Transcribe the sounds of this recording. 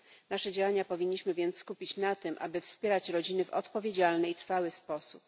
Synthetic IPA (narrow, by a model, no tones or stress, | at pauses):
naʂɛd͡ʑawaɲapɔvʲiɲːiɕmɘvʲjɛnt̪sskupʲit͡ɕnat̪ɘmʔa̰bɘfspʲjɛɾat͡ɕɾɔd͡ʑinɘvɔ̰t̪pɔvʲjed͡ʑalnɛit̪ɾfawɘspɔsup̚